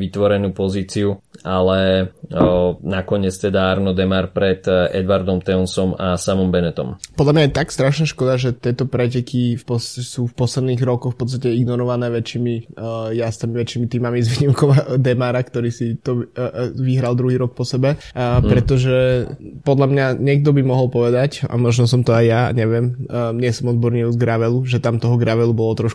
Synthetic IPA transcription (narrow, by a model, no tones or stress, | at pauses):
ʋit̪ʋɔɾɛnuːpɔziːt͡siualɛ | nakɔɲɛt͡st̪ɛd̪aaɾnɔd̪ɛmaɾpɾɛt̪ɛ̰d̪ʋaɾd̪ɔmt̪ɛɔnsɔmasamɔmbɛnɛt̪ɔ̰mpɔd̪lamɲajɛt̪akst̪ɾaʃnaːʃkɔd̪aʒɛt̪ɪɛt̪ɔpɾɛc̬ɛkifpɔssuːfpɔslɛd̪niːɣɾɔkɔxfpɔt̪t͡s̬st̪acɛiɡnɔɾɔʋanɛːʋɛt͡ʃːiːmijast̪amiʋɛt͡ʃːimit̪iːmamizʋiːɲimkɔʋad̪ɛmaːɾakt̪ɔɾiːsit̪ɔʋiɦɾald̪ɾuɦiːɾɔk̚pɔsɛbɛpɾɛt̪ɔʒɛpɔd̪lamɲaɲɛɡ̚d̪ɔbimɔɦɔlpɔʋɛd̪aca̰mɔʒnɔs̬ɔmt̪ɔajːa̰ɲɛʋɪɛmɲɛsɔmɔd̪̚bɔɾɲiuzɡɾaʋɛluʒɛt̪amt̪ɔɦɔɡɾaʋɛlubɔlɔt̪ɾɔʃk